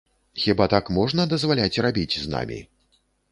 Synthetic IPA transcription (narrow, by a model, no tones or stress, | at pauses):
xʲibat̪akmɔʐnɐd̪ɐzvalʲat͡sʲrabʲit͡sʲzna̰mʲḭ